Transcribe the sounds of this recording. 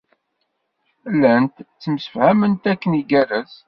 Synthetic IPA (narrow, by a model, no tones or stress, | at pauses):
lːænt̪t͡sːəmsə̥fhæmənt̪ækːəniɡæræz